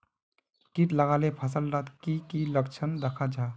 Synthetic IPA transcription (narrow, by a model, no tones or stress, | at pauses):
kiʈ̪ləɡaːlepʰəsəlɾat̪kikiləkt͡ʃʰənd̪əkʰad͡ʒaː